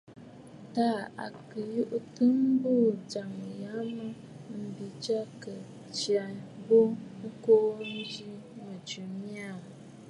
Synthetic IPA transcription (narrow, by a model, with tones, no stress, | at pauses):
ta˦˨a̰˨kə˨ju˦ʔtɨ˦mbu˦˨d͡ʒa˨ŋja˨˦mə˦ | m̩˨bi˨d͡ʒa˦kə˨ | t͡ʃi˨a˨bo˦ko˦n̩˦d͡ʒi˦mə˨d͡ʒu˨mi˦a˦˨